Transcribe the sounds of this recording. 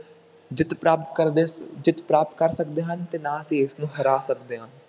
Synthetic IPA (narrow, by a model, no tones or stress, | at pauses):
d͡ʒɪt̪pɾaːpt̪̚kəɾed͡ʒɪt̪pɾaːpət̪̚kəɾsəkd̪eːɦənt̪eːnãːəsĩːɪsnũːɦəɾaːsəkd̪eːɦãː